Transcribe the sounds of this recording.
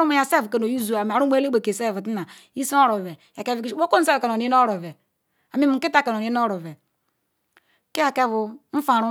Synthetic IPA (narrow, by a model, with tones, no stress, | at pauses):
ɾu˦m˨˦ja˨se˦˨u˨ke˨no˨ju˦zu˨a˨m˨ɾu˦m˦e˦le˦be˨ke˨se˦˨vu˨ti˦na˨ | i˦so˦ɾo˨ve˨ja˨ke˦vi˦˨˦o˦ko˦n̩˦se˦˨ke˨no˨n˨i˦no˦ɾo˨ve˨ | a˨mi˦mu˨ŋ̩˨˦ki˦ta˦ke˨no˨n˨i˦n˦o˦ɾo˨ve˨ | ki˦a˨ke˦vu˨m̩˦fa˨ɾu˦